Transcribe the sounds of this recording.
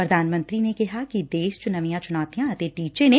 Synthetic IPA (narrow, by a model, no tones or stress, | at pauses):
pɾɐd̪ʱaːnmə̃nt̪ɾinekɪɦakid̪eːʃt͡ʃʊnɐʋijãt͡ʃʊnaːt̪ijãɐt̪eːʈiːt͡ʃene